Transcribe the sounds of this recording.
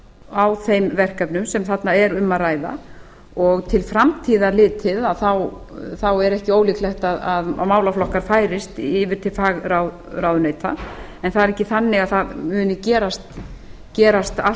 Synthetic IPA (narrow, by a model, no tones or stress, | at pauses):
awθejmvɛr̥kapnʏmsɛmθat̪naɛɾʏmːaraːjða̰ | ɔɣt̪ʰɪlfɾamt̪ʰiːðalɪːt̪ʰɪðaðθaw | θawɛɾɛhcɪoːwliklɛxt̪aðaðmaːwlaflɔhkaɾ̥faːjɾɪst̪ɪːvɪɾ̥t̪ʰɪlfaːɣɾawð | ɾawðʏnejt̪ʰa | ɛnθaðɾɛhcɪθanːɪɣaðθaðmʏːnɪcɛːɾast̪ | cɛːɾast̪a